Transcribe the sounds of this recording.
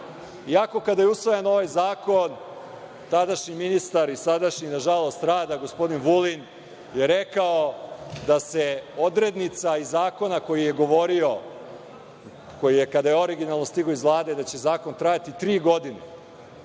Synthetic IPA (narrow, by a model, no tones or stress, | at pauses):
iako̞kad̪ajeusʋojano̞ʋajzaːko̞n | t̪ad̪aʃɲiminist̪aɾisad̪aʃɲinaʒalo̞st̪ɾaːd̪aɡo̞spo̞d̪inʋulin | jeɾekaod̪ase̞o̞d̪ɾe̞d̪nit̪saizaːko̞nako̞jije̞ɡo̞ʋo̞ɾio̞ | ko̞jijekad̪ajeo̞ɾiɡinalˠnost̪iɡoizʋlˠaːd̪e̞d̪at͡ɕe̞zaːko̞nt̪ɾajat̪it̪ɾiːɡo̞d̪inḛ